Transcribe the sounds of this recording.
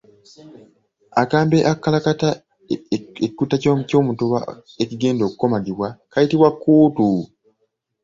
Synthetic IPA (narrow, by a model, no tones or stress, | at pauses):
akaːmbeʔakːalakata | eikutːaco̞ːmuco̞ːmutuβa | eciɡe̞ːndo̞ːkuko̞maɡiβwakajitiβwakːuːtu